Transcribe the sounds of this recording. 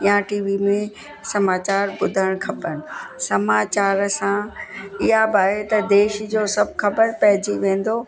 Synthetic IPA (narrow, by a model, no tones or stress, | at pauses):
jãʈiːʋimẽ | sɐmaːt͡ɕaːɾbʊd̪ʱəɽ̃xʰɐbənɪ̆sɐmaːt͡ɕaːɾsãɪɦabaːɦet̪ɐd̪eːʃd͡ʑoːsɐbʱxɐbəɾpɐɦɪd͡ʑiʋẽːn̆d̪o